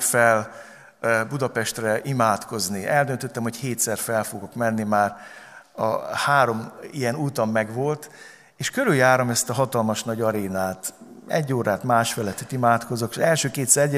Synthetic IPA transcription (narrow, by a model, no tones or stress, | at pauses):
fɛl | bud̪ɒpɛʃt̪rɛʔimaːt̪ko̞zniɛld̪ønt̪ø̞t̪ːɛmho̞cheːt̪sɛrfɛlfoɡo̞kmɛnːimaːr | ɒ̰haːɾo̞mijɛnuːt̪ɒmːɛɡʋo̞lt̪ | eːʃkøɾyljaːɾomɛst̪ɒɦɒt̪ɒlmɒʃnɒɟɒɾeːnaːt̪ | ɛ̰ɟːoːɾaːt̪maːʃfɛlɛt̪ø̥t̪imaːt̪ko̞zokɛlʃøːkeːt̪sɛ